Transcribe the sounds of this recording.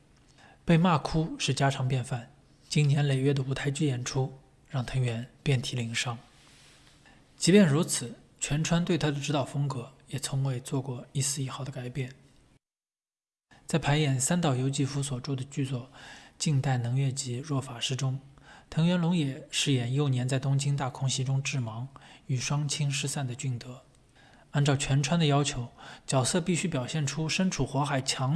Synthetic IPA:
pe˥˧ɪma˥˩kʰu˥ʂɻ̩˥˩t͡ɕja˥ʈ͡ʂʰɑ˧˥ŋpjɛ˥˧nfa˥˩n | t͡ɕi˥nnjɛ˧˥nle˨˩ɪɥɛ˥d̪ə˩u˨˩t̪ʰa˧˥ɪt͡ɕy˥jɛ˨˩nʈ͡ʂʰu˥ | ɻɑ˥˩ŋt̪ʰɤ˧˥ŋɥɛ˧˥npjɛ˥˩nt̪ʰi˧˥li˧˥ŋʂɑ˥ŋ | t͡ɕi˧˥pjɛ˥˩nɻu˧˥t͡sʰɹ̩˨˩˦ | t͡ɕʰɥɛ˧˥nʈ͡ʂʰwa˥nt̪we˥˩ɪt̪ʰa˥d̪ə˨ʈ͡ʂɻ̩˥t̪ɑ˨˩ʊfɤ˥ŋkɤ˧˥jɛ˨˩t͡sʰɤ˧˥ŋwe˧˩ɪt͡swɔ˥˧kwɔ˥˩i˥˧sɹ̩˥˧i˥˩xɑ˨˩ʊd̪ə˦ka˨˩ɪpjɛ˥˩n | t͡sa˥˩ɪpʰa˧˥ɪjɛ˨˩nsa˥nt̪ɑ˥˩ʊjo˧˥ʊt͡ɕi˥˩fu˧˥swɔ˨˩ʈ͡ʂu˥˩d̪ə˨t͡ɕy˥˧t͡swɔ˥˩t͡ɕi˥˧ŋt̪a˥˩ɪnɤ˧˥ŋɥɛ˥˩t͡ɕi˧˥ɻwɔ˥˩fa˨˩ʂɻ̩˥˩ʈ͡ʂʊ˥ŋt̪ʰɤ˧˥ŋɥɛ˧˥nlʊ˧˥ŋjɛ˨˩ʂɻ̩˥˩jɛ˨˩n˧˥jo˥˩ʊnjɛ˧˥nt͡sa˥˩ɪt̪ʊ˥ŋt͡ɕʰi˥ŋt̪a˥˩kʰʊ˥ŋɕi˧˥ʈ͡ʂʊ˥ŋʈ͡ʂɻ̩˥˩mɑ˧˥ŋy˨˩ʂwɑ˥ŋt͡ɕʰi˥ŋʂɻ̩˥˧sa˥˩nd̪ə˩t͡ɕy˥˩ŋt̪ɤ˧˥ | a˥nʈ͡ʂɑ˥˩ʊt͡ɕʰɥɛ˧˥nʈ͡ʂʰwa˥nd̪ə˨jɑ˥ʊt͡ɕʰjo˧˥ʊt͡ɕjɑ˨˩ʊsɤ˥˧pi˥˩ɕy˥pjɑ˨˩ʊɕjɛ˥˩nʈ͡ʂʰu˥ʂə˥nʈ͡ʂʰu˨˩xwɔ˧˥xa˨˩ɪt͡ɕʰjɑ˧˥ŋ

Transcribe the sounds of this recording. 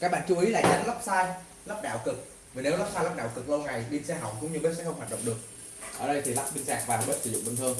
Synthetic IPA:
kaː˦˥k̚ɓa̰ː˧˨t͡ɕu˨˧˦ʔi˨˦ɗa̰ː˧˩t͡ɕa˨˦ŋla˦˥p̚saː˧j | lə˦˥p̚ɗa̰ː˧˨wkɨ˨˩k̚ | vi˨˩ne˨˦wla˦˥p̚saː˧la˦˥p̚ɗa̰ː˧˨wkɨ˨˩k̚lə˧wŋa˨˩jɓi˧nsɛː˧ɦa̰˨˧˩wŋ͡mzʊ̰˧˥wŋ͡mɲɨ˧ɓe˦˥t̚ɛ̰˧˥xə˧ŋ͡mhwaː˨˩t̚ɗə̰˧˨wŋ͡mɗɨ˨˩ək̚ | ʔəː˧˩ɗə˧jt̪ʰi˨˩la˦˥p̚ɓï˧ŋ̟sa̰ː˧˩ŋ̚vaː˨˩˨ɓe˦˥nsɨ̰˧˩zʊ̰˧˨ŋ͡mɓe˧nt̪ʰɨ˧ŋ

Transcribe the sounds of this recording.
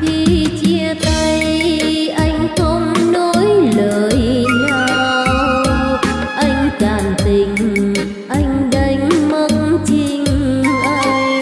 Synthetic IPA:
xi˧t͡ɕi˧ət̪a˧jʔa˧jŋ̟xʰə˧ŋ͡mno˧˦jləː˨jɲa˧w | ʔa˧jŋ̟kaː˨˩nt̪ï˨˩ŋ̟ | ʔa˧jŋ̟ɗə˧ŋmə˧tt͡ɕi˧ŋʔa˧j

